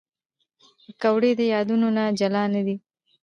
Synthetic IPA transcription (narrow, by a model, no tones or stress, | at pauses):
əkawɽed̪əjɑd̪unonad͡ʒalɑnad̪i